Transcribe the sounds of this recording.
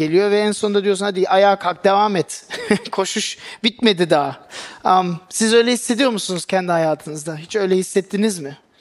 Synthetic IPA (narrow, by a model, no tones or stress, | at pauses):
elʲijo̞vɛænso̞nd̪ad̪ijosunad̪iʔajaːkʰak̚d̪evaːmɛt̪kʰo̞ʃuʃbit̪med̪id̪aːamsizø̞jlʲɛhisːe̞d̪ijo̞musunuz̥cʰɛnd̪ihajaːt̪ʰɯnɯzd̪aɦit͡ʃø̞jlʲɛhisːɛt̪ʰːinizmɪ